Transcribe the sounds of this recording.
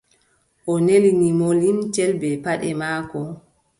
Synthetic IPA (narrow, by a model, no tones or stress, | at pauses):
ʔɔnelinimolint͡ʃɛlbɛpaɗɛmaːkɔ